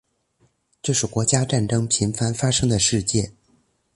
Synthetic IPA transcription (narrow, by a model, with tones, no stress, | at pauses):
ʈ͡ʂɤ˥˧ʂɻ̩˥˩kwɔ˧˥t͡ɕja˥ʈ͡ʂa˥˩nʈ͡ʂɤ˥ŋpʰi˧˥nfa˥nfa˥ʂɤ˥ŋd̪ə˨ʂɻ̩˥˧t͡ɕjɛ˥˩